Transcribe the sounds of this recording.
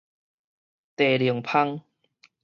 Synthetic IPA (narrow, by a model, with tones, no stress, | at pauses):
t̪e˨˩li˨˩˦əŋpʰa˦˥ŋ